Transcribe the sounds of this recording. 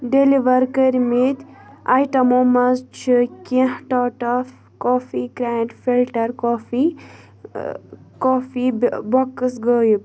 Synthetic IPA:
ɖeliʋɐɾkəɾmit̪ajʈɐmomɐzt͡ʃʰikĩhʈɔːʈɐf | koːfikɾaɳʈfilʈɐɾkoːfi | koːfibɐkːəsɡəːjup

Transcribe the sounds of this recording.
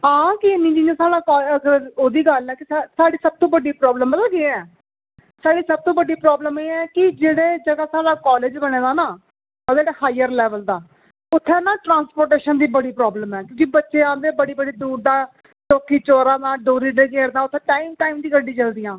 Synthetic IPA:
ɦãːkɪɪnĩːd͡ʒiːnãːsaːɽaːkːəɡəɾoːd̪iːɡəlɛːkɪasaːɽiːsəb̚t̪õːbəɖiːpɾɔːbləməlaɡɪːɛː | saːɽiːsəb̚t̪õːbəɖːiːpɾɔːbləmeːɛːkɪd͡ʒeːɽeːd͡ʒəɡaːsaːɽaːkɔːleːd͡ʒbəñeːd̪aːnaː | odeːɽeːhaːɪjəɾlɛːʋəld̪aː | ʊt̪ʰːenãːʈɾãːnspoːɾʈeːʃənd̪iːbəɽiːpɾɔːbləmɛːkjõːkibətːʃeːãːnd̪eːbəɽiːbəɖiːd̪uːɾd̪ãː | ʈoːkːiːt͡ʃoːɾãːd̪ãːɖoːɾiːɖeːkeːɾd̪aːʊt̪ʰːẽːʈaːiːmʈaːiːmd̪iːɡəɖiːt͡ʃəld̪ɪjãː

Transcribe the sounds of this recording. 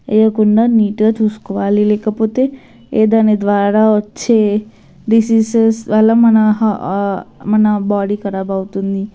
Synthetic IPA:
ḛjəkuɳɖəniʈət̪uskʋalilekəpot̪e | ed̪aned̪ʋaɾaot͡ʃʰe | ɾisisesʋalamənaɦ | mənabɔɽikəɾabawt̪und̪i

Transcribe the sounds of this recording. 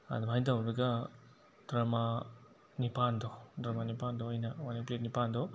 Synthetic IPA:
ɐ̰d̪umhajtawɾɐɡɐ | d̥ɾɐma | nipandodɾɐmanipandoɐjnɐwaniplet̚nipand̪o

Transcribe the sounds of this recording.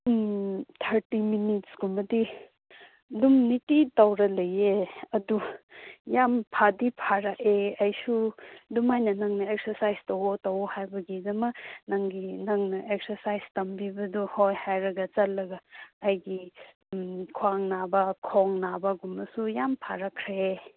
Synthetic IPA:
tʰɐɾtiminitsɡumɐdi | dumnititawɾɐlɐjeɐdu | jampʰadipʰaɾaeɐjsudumajnɐnɐŋnɐek̚sɐɾsajstɐwotɐwhajbɐɡidɐmɐnɐŋɡinɐŋnɐʔek̚sɐɾsajstɐmbibɐduhojhajɾɐɡɐt͡ʃɐlːɐɡɐɐjɡi | kʰuaŋnabɐkʰoŋnabɐɡumɐsujampʰaɾɐkʰɾe

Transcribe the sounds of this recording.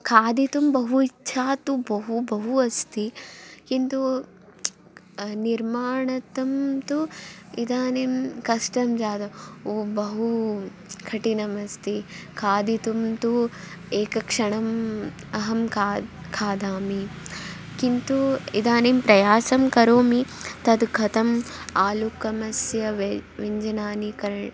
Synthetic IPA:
kʰaːd̪it̪umbɐɦuit͡ʃːʃʰaːt̪ubɐɦubɐɦuɐst̪ikint̪u | niɾmaːɳɐt̪ɐmt̪uid̪aːnimkɐʂʈɐmd͡ʒaːd̪ɐoːbɐɦu | kʰɐʈinɐmɐst̪ikʰaːd̪it̪umt̪ueːkɐkʂɐɳɐm | ɐɦɐmkʰːkʰaːd̪aːmi | kint̪uid̪aːnimpɾɐjaːsɐmkɐɾoːmit̪ɐd̪ɡʱɐt̪ɐm | aːlukɐmɐsjɐʋʋiɲd͡ʒɐnaːnikɐɾ

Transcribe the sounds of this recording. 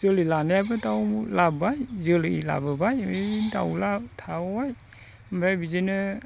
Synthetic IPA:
zɯlilanajabɯtawlabajzɯlila̰bɯbajeta̰wlatʰaaj | mɾajbizenɯ

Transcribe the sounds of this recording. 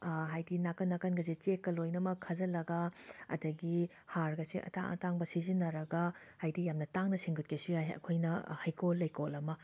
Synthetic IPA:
ɦajdinakɐnːakɐnɡɐs̬it͡ʃekːɐlojnɐmɐkʰːɐzɐlɐɡɐɐ̰dɐɡi | haɾɡɐsiʔɐ̰ta̰ŋɐ̰taŋbɐsizinːɐɾɐɡɐhajdijamnɐtaŋnɐsiŋɡut̚kʰesujajɐ̰kʰojnɐhɐjkolːɐjkolɐmɐ

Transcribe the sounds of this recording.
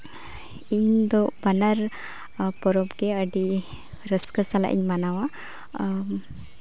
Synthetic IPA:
iɲd̪ɔbanaɾ | pɔɾɔpɡɛəɖi | ɾəskəsala̰ʔḭɲmanawa

